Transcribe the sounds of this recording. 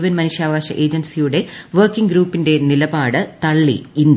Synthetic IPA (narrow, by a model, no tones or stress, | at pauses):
ʋɐnmɐnuʂjaːʋaːɕɐ̰ʔe̞ːd͡ʑɐnsijuɽe̞ʋɐrkːiŋɡɾuːpːinde̞nilɐbaːɽɨt̪ɐɭːḭind̪